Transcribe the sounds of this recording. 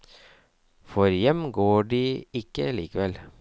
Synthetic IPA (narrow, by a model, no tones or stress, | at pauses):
fɔɾjɛmɡoːɖiːɪkəliːkəʋɛl